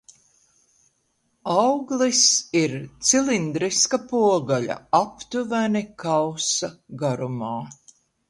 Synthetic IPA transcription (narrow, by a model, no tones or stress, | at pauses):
awɡlˠisiɾt̪silind̪ɾiskapuɔɡaʎa̰apt̪uvænikawsaɡaɾumaː